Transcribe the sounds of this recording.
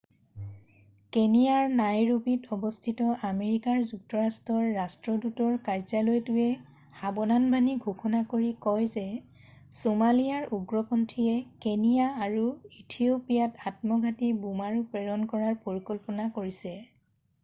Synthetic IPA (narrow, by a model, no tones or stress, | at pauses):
kenijaɹnajɹupitɔbɔstʰitɔʔameɹikaɹzuk̚tɔɹastɔɹːastɹɔdutɔɹkajzalojtʊɛ | habɔnanbʱaniɡʱukʰɔnakoɹikɔjzɛ | somalijaɹuɡɹɔpɔntʰijɛkenijaːɹuitʰiopijatat̚mɔɡʱatibumaɹupɹɛɹɔnkɔɹaɹpoɹikɔlpɔnakoɹisɛ